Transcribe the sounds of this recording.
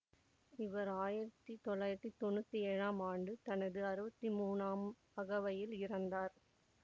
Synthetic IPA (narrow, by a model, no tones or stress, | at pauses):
ɪʋɐɾaːjɪɾɐt̪ːit̪ɔɭːaːjɪɾɐt̪ːit̪ɔnːɯt̪ːiɛɻaːmaːɳɖɯt̪ɐnɐðɯɐɾɯbɐt̪ːimuːnaːm | ɐɣɐʋɐjɪlɪɾɐnd̪aːɾ